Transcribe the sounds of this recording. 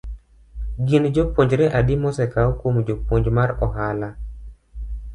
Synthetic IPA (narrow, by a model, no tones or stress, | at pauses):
ɡind͡ʒopwoɲd͡ʒɾɛʔadɪmɔsɛkaokwomd͡ʒopwoɲd͡ʒmaɾɔɦala